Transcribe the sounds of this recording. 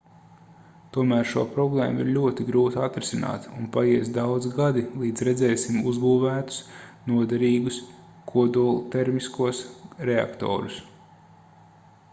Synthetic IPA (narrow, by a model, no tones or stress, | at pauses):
t̪uɔmæːɾʃuɔpɾɔblˠɛːmuiɾlʲuɔt̪iɡɾuːt̪at̪ɾisina̰ːt̪unpajiɛsd̪awd̪zɡad̪ilˠiːd̪zɾɛzɛːsimuzbuːvæːt̪u̥snuɔd̪ɛɾiːɡus | kʰuɔd̪ulˠt̪ɛɾmiskuɔsɾea̰kt̪ɔ̰ːɾus